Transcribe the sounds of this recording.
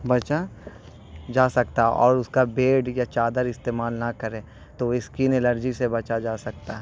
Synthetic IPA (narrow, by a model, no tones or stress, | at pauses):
bɐt͡ʃa | d͡ʒaːsɐkt̪aɔ̰ːɾʊskabeːɖjat͡ʃaːd̪əɾɪst̪eːmaːlnɐkɐɾẽː | t̪oɪskiːneləɾd͡ʒisebɐt͡ʃad͡ʒaːsɐk̚t̪aɦɛ